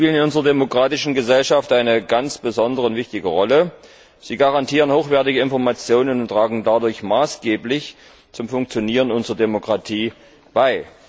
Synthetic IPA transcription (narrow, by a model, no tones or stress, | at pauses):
piːlənɪnʊnzəʁɐdemokʁ̥aːtɪʃn̩ɡəzɛlʃaftʔaɪnəɡant͡sb̥əzɔndəʁəʊntv̥ɪçtɪɡəʁɔlə | z̥iːɡaʁantʰiːʁənhoːxv̥ɛɐtɪɡəɪnfɔɐmat͡sjoːnənʊntʁ̥aːɡŋ̩dadʊɐçmaːsɡ̥eːplɪç | t͡sʊmfʊŋk̚t͡sjoniːʁənʊnzəʁɐdemokʁ̥atʰiː | b̥aɪ